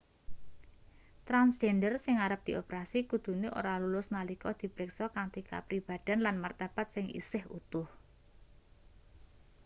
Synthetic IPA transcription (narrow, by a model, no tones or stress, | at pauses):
t̪ɾansʒɛndərsɪŋaɾəp̚d̪̥i̤opɾasikud̪̥ṳneʔo̰ɾalulʊsnalikɔd̪̥i̤bɾɪksɔkaŋt̪ika̰pɾib̥a̤d̪̥a̤nlanmart̪ab̥at̪̚sɪŋḭsɪhṵt̪ʊh